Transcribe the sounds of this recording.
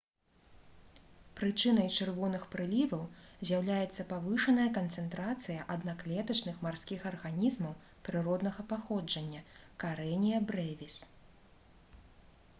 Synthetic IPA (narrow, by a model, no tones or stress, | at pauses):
pɾɨt͡ʂɨnɐjt͡ʂɨrvɔnɨxpɾɨlʲivɐwzʲjɐwlʲajɛt̪sːɐpavɨʂɐnɐjɐkɐnt̪sɛnt̪ɾat̪sɨjɐʔɐd̪naklʲɛt̪ɐt͡ʂnɨxmarsʲkʲixɐrɣanʲizmɐw | pɾɨɾɔd̪nɐɣɐpaxɔd͡ʐɐnʲːɐkaɾɛnʲijɐbɾɛvʲis